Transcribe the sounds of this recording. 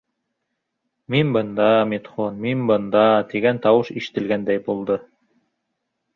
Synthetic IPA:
minbɤnd̪ɑmet̪χonminbɤ̆nd̪ɑt̪iɡænt̪ɑwɤʃiʃɘ̥̆t̪ɘ̆lɡænd̪æjbulˠd̪ɤ

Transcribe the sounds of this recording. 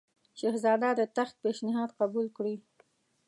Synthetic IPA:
ʃehzɑd̪ad̪ət̪axk̪̚peʃnɪɦɑd̪qabulkɽi

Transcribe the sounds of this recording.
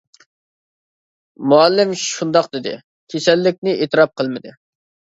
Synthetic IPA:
muɑlːɪmʃund̪ɑqd̪ɪd̪ɪ̰ | kʲʰesɛlːɪk̚ʲnɪʔet̪ɨɾɑp̚qʰəlˠmɪd̪ɪ

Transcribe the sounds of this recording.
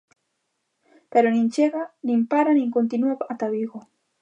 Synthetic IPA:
peɾonint͡ʃeɢɑnimpaɾaniŋkont̪inuapaʔat̪aβiɡo

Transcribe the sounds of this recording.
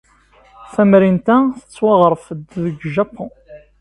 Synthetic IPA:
θæmɾint̪æθə̥t͡sːwɑʁɾˤfəd̪ðəɡʒapʰːõ

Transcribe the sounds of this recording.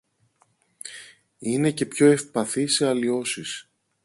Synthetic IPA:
ine̞ce̞pço̞e̞fpɐθiseɐlio̞sis

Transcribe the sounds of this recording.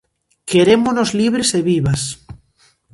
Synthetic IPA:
keɾemonozliβ̞ɾeseβiβas

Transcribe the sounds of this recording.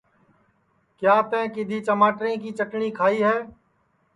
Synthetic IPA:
kjaːt̪ɛ̃ːkɪd̪ʱiːt͡ʃəmaːʈɾẽːk̬iːt͡ʃəʈɳiːkʰaːiːɦɛ̃ː

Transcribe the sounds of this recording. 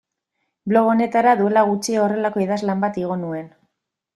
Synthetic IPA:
blo̞ɣo̞ne̞t̪aɾaðue̞laɣ̞ut͡ʃiore̞lako̞iðazlambat̪iɣ̞o̞nue̞n

